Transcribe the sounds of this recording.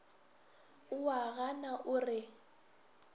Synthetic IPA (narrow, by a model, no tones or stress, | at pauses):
ʊwaɣanaʔʊrɪ